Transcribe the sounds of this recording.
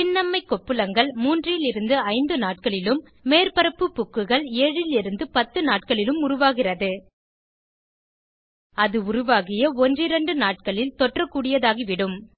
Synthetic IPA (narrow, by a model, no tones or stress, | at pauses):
pɪnːɐmːɐɪkːɔpːɯlɐŋɡɐɭmuːndrɪlɪɾɯnd̪ɯɐɪnd̪ɯnaːʈ̚kɐɭɪlɯmː | eːrpɐɾɐpːɯpːʊkːɯɣɐɭeːɻɪlɪɾɯnd̪ɯpɐt̪ːɯnaːʈ̚kɐɭɪlɯmʊrʊʋaːɣɪrɐðɯ | ɐðɯʊrʊʋaːɣɪjɐɔndrɪɾɐɳɖɯnaːʈ̚kɐɭɪlt̪ɔʈrɐkːuːɽɪjɐðaːɣiʋɪɽɯm